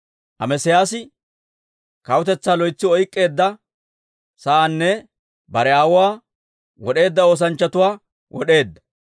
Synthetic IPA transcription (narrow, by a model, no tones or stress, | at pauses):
ʔɐmɛsɪjaːsɪ | kɐwʊt̪ɛt͡sːaːlɔjt͡sːɪɔjkʼːe̞ːd̪ːɐ | sɐʔaːnːɛ | bɐɾɛaːwʊwaː | wɔɗe̞ːd̪ːɐo̞ːs̬ɐnt͡ʃːɐt̪ʊwaː | wʔɔ̰ɗe̞ːd̪ːɐ̥